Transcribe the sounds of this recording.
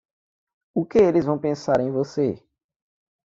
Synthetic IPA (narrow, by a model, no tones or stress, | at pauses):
ʊkɪelɪzvɐ̃w̃pẽsaɾẽj̃vose